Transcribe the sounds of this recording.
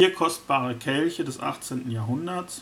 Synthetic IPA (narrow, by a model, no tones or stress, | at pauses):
iːɐkʰɔst̚b̥aːʁəkʰɛlçədɛsʔa̰χt͡seːntn̩jaːɐɦʊndɐs